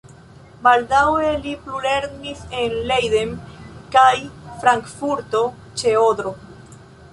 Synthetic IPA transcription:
baldawe̞liplule̞ɾnise̞nlejde̞mkajfɾaŋkfuɾto̞ | t͡ʃe̞odɾo̞

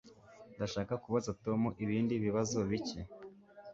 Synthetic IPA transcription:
ndaʃaːkakuβazato̞muʔiβiːndiβiβazoβice

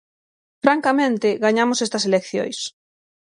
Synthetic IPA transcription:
fɾaŋkamẽnt̪ɪɣaɲamosest̪ɐselekθjo̰js

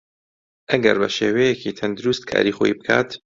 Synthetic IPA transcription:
ʔɐɡɐɾbɐʃeːwɛjecit̪ʰɐnd̪ʊɾust̪kʰa̰ːɾixoːibɨkʰaːt̪

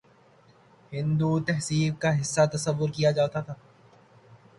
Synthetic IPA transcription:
hɪ̃nd̪ut̪ɛɦsiːɾ̚kaɦɪsːat̪ɐsɐʋːʊɾkijad͡ʒaːt̪at̪ʰaː

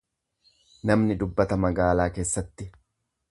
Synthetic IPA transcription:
nɐmnɪd̪ʊbːɐt̪ɐmɐɡaːlaːke̞ːsːɐt̪ːɪ

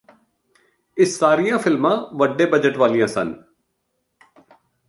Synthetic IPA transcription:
ɪsːaːɾijãːfɪlmãːʋəɖeːbəd͡ʒəʈʋaːlijãːsə̰n

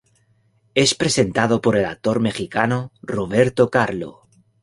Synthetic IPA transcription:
e̞spɾe̞se̞nt̪að̞o̞po̞ɾe̞la̰k̚t̪o̞ɾme̞xikanoroβ̞e̞ɾt̪o̞kaɾlo̰

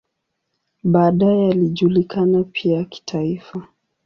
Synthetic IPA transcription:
ɓaːɗaɛaliʄulikanapʰiaki̥tʰaifa

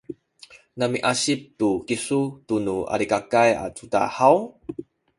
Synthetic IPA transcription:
namiʔaɕip̚tukisutunua̰ɾikakaja̰tuda̰haw

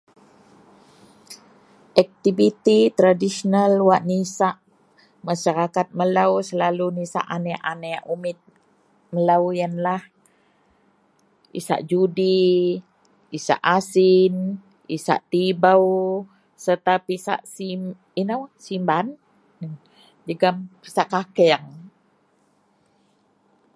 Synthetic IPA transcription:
ʔak̚t̪ibit̪it̪ɾadisənalwaʔnisaʔ | maʃaɾakat̪̚məlawsəlalunisa̰ʔanaʔanajaʔumɪt̪̚ | məlawjanlah | ḭsa̰ʔd͡ʒudi | isa̰ʔasin | isa̰ʔt̪ibaw | sərt̪apisa̰ʔsim | inawsimban | d͡ʒəɡampi̥saʔkakɛaŋ

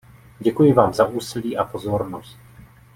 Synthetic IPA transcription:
ɟɛkujɪvaːmzaʔuːsɪliːʔapo̞zo̞ɾno̞st̪̚

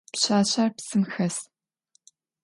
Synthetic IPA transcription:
pɕaːɕaːrpsɨmxɐs

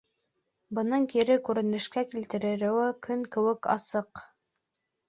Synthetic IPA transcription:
bɤ̆nɤɴkiɾɘkʉɾɘ̆nɘ̆ʃkækilt̪ɘ̆ɾɘ̆ɾɘ̆wɘkʰɵŋkɘ̆wɘkɑ̰sɤq

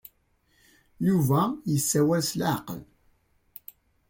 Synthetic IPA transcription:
juvæjəsːæwælslʕqə̰l

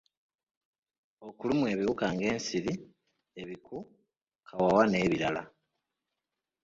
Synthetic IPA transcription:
o̞kulumue̞βiwukaːŋɡe̞ːnsiɾi | eβiku | kʰawawane̞ːβiɾala̰

